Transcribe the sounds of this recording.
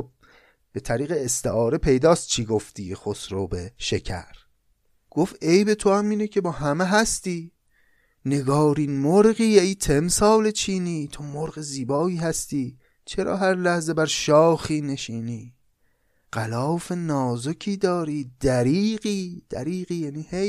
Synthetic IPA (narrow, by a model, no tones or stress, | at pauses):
b | b̥e̞t̪ʰæɾiːɣeːst̪eʔɒːɾe̞pʰe̞jd̪ɒːst̪̚t͡ʃʰiːɡoft̪iːxosɾobeʃecʰæ̰ɾ | ɡ̥ofe̞jbe̞t̪ʰohæmiːnecʰe̞bɒːhæmeɦæst̪iː | ne̞ɡɒːɾiːnmoɾɢiːejt̪ʰemsɒːle̞t͡ʃʰiːniːt̪ʰomoɾɣeziːbɒːiːhæst̪iː | t͡ʃʰe̞ɾɒ̰ːɦæɾlæhze̞bæɾʃɒːxiːne̞ʃiːniː | ɢ̥ælɒːfe̞nɒːzocʰiːd̪ɒːɾiːd̪̥æɾiːɢiːd̪̥æɾiːɣiːjæniːhej